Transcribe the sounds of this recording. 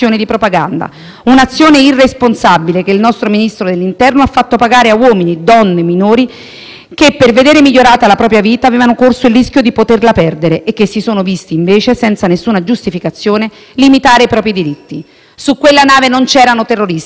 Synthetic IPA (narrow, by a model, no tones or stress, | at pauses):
joːned̪ipɾopaɡand̪a̰ | unat̪sːjoːneirːesponsabilekeilnɔst̪ɾominist̪ɾod̪elːint̪ɛrnoafːat̪ːopaɡaːɾeawɔːminid̪ɔnːeminoːɾi | kepːerved̪eːɾemiʎːoɾaːt̪alapɾɔːpɾjaviːt̪aːveːvanokorsoilriskjod̪ipot̪erlapɛrd̪eɾeʔekːesːisoːnovist̪iːɱveːt͡ʃesɛnt̪sanesːuːnad͡ʒust̪ifikat̪sːjoːne | limit̪aːɾeipɾɔːpɾid̪iɾit̪ːi | sukːwelːanaːvenont͡ʃɛːɾanot̪erːoɾis